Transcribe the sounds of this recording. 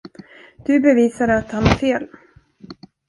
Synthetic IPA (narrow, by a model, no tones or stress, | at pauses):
d̪̥ɵbɛviːsad̪əat̪hanaɾfeːl